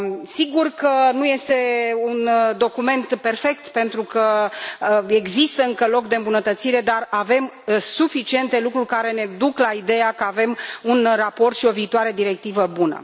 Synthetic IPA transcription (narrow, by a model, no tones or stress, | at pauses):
siɡurkənuje̞st̪e̞und̪o̞kume̞nt̪pe̞rfe̞k̚t̪pe̞nt̪ɾukə | e̞ɡzist̪əɨŋkəlo̞kd̪eɨmbunət̪ət̪siɾe̞d̪arave̞m | sufit͡ʃie̞nt̪e̞lukɾurʲkaɾe̞ne̞d̪uklaid̪e̞jakəave̞munrapo̞rt̪ʃio̞viːt̪oaɾe̞d̪iɾe̞k̚t̪ivəbunə̰